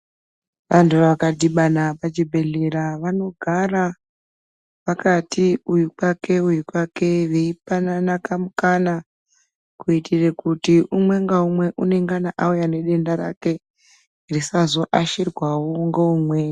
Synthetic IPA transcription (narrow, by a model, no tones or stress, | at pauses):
ʋantʰuʋakadiɓanapad͡ʒibʱe̞ɮeɾaʋano̞ɡʱara | pakatiujukwake̞ujukwake̞ʋeipananakamukana | kuitʰirekutiʔumwe̞ŋɡaumwe̞ʔune̞ŋɡanaʔaujane̞ɗe̞ndaɾa̰ke̞ | irisazo̞ʔaʃirwawoŋɡeumwe